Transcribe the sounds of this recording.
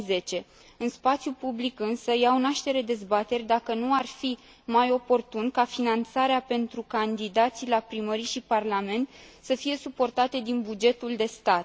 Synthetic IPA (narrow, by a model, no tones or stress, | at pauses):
ze̞t͡ʃe̞ | ɨnspat̪sʲjupublikɨnsəjawnaʃt̪e̞ɾe̞d̪e̞zbat̪e̞rʲd̪akənuarfi | majo̞po̞rt̪unkafinant̪saɾeape̞nt̪ɾukand̪id̪at̪silapɾiməɾiʃiparlame̞nt̪səfije̞supo̞rt̪at̪e̞d̪inbud͡ʒe̞t̪uld̪e̞st̪at̪